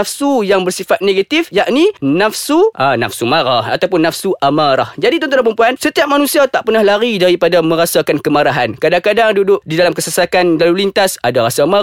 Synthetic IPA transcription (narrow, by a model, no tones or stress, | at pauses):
afsujaŋbərsifat̪̚neɡat̪ifjaʔninafsuʔana̰fsumaɾaha̰t̪awpʊnːafsuʔamaɾahd͡ʒadit̪ɔnt̪unampəɾumpuansət̪iap̚manũsiat̪aʔpərnahlaɾidaɾipadamə̃ɾasakankəmaɾaɦankadaŋkadaŋdudʊʔ̚didalamkəsəsakandalulint̪asadaɾasama